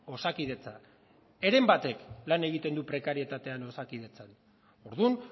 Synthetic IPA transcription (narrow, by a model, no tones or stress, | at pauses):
o̞sakið̞e̞t͡sa | e̞ɾe̞mbat̪e̞klane̞ɣ̞it̪e̞nd̪upɾe̞kaɾie̞t̪at̪e̞ano̞sakið̞e̞t͡san | o̞ɾðun